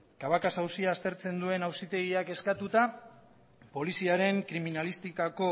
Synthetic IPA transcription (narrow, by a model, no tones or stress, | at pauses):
kaβakasawsiaːst̪e̞ɾt͡se̞nd̪ue̞nawsit̪e̞ɣiake̞skat̪ut̪a | po̞lisiaɾe̞ŋkɾiminalist̪ikako̞